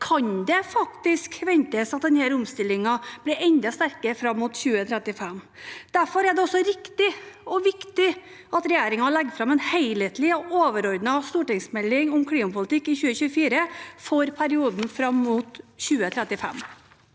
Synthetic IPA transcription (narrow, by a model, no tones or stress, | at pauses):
kʰɑɲd̪ɛfɑkt̪ɪskʋɛnt̪əsɑt̪̚d̪ɛnhæːɾʊmst̪ɪlːɪŋɑb̥lɪɾɛɲd̪ɑst̪æɾkəfɾɑmːut̪çʉːət̪ʰɾɛt̪ɪfɛmː | d̪̥æɾfɔɾæɖɛɔsːɔɾɪkt̪ɪɔʋɪkt̪ɪ | ɑt̪ɾɛjeːɾɪŋɑlɛɡəfɾɑmɛnheɪlət̪lɪɔʔoːʋəɾɔɾd̪nɑst̪uːʈɪŋsmɛlːɪŋɔmkʰlɽiːmɑpʊlt̪ʰɪkːɪçʉːəçʉːəfiːɾəfɔɾpʰæɾɪuːd̪n̩fɾɑmːuːt̪çʉːət̪ʰɾɛt̪ɪfɛ̰mː